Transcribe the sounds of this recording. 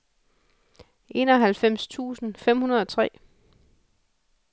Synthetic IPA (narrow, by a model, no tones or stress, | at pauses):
ʔe̝ːnɒ̽ɦælfem̰st͡sʰṵːsn̩fem̰hunɐð̞ˠɒ̽t͡sʰʁɛ̰ː